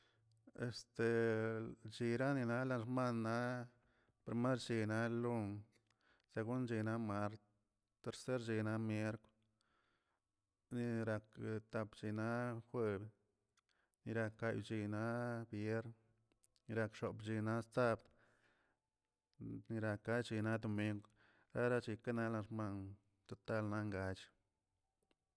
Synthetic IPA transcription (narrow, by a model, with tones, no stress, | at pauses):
e˨st̪e˨ | t͡ʃi˧ɾa˦ni˧na˦la˧nɾma˦nːa˦ | pɾi˧me˦ɾt͡ʃi˧na˦lu˦ŋ | se˧ɡu˦nt͡ʃi˧na˧˦ma˧˦ɾt̪ | t̪e˧˨ɾse˦ɾd͡ʒi˧na˧mje˦ɾk | ni˧ɾa˧kt̪a˧pt͡ʃi˧na˦xʷe˧b | ni˧ɾa˧kːa˧jt͡ʃi˧na˦bje˦ɾn | ni˧ɾa˧kʃo˨pt͡ʃi˧na˦st͡sa˦bd̪ | ni˧ɾa˧ka˧˦t͡ʃi˧na˦d̪o˧mi˧ŋɡʷ | ɾa˦ɾa˦t͡ʃi˧ka˦na˦la˧ɾma˧n | t̪o˧t̪a˦lna˦ŋɡa˧t͡ʃ